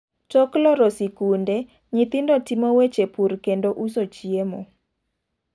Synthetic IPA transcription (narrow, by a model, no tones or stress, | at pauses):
t͡ʃɔklɔɾɔsikunde | ɲit̪indotimowet͡ʃepurkendoʔusot͡ʃiemo